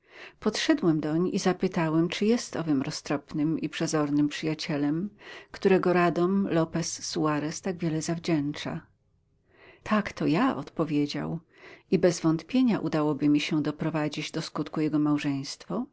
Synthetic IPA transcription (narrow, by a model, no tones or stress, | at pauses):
pɔt̪ʂɛd̪wɛmd̪ɔɲʔizapɘt̪awɛmt͡ʂɘjɛst̪ɔvɘmɾɔst̪ɾɔpnɘmipʂɛzɔɾnɘmpʂɘjat͡ɕɛlɛmkt̪uɾɛɡɔɾad̪ɔmlɔpɛsːuaɾɛst̪aɡvʲjɛlɛzavd͡ʑɛnt͡ʂa̰ | t̪ʰakt̪ɔjaɔ̰t̪pɔvʲjed͡ʑa̰w | ibɛzvɔnt̪pʲjeɲaʔud̪awɔbɘmʲiɕɛd̪ɔpɾɔvad͡ʑid͡ʑd̪ɔskut̪kujɛɡɔmawʐɛj̃st̪fɔ